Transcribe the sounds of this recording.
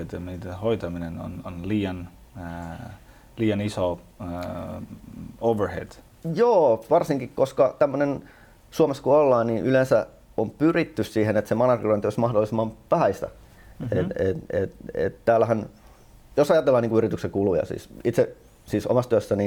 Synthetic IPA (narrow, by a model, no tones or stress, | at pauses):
et̪mit̪ehoit̪ɑmineno̰nonliːɑn | liːjɑniso | ouʋərhḛd̥̪ | joːʋɑrsiŋkikkoskɑt̪æmːønen | suɑmeskuolːɑːniʔylensæ | ompyrit̪ːyssiːhenet̪semɑnɑrkːiloint̪yøsmɑhdolːˑisemːɑmpæhæist̪æ̰ | eet̪ḛt̪ḛt̪t̪æːlːæhæn | josɑjɑt̪elːɑːniŋkuyrit̪ykseŋkulujɑ̰sḭːsit̪se | siːso̰mɑst̪yøsːæni